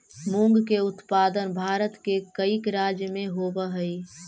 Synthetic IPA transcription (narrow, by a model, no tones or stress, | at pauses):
mũŋɡkeʊt̪paːd̪ənbʱaːɾət̪kekəikɾaːd͡ʒjəmẽɦobəɦəi